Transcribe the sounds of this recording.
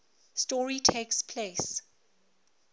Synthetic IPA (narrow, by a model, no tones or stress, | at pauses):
stɔɹitʰeːkspʰleːs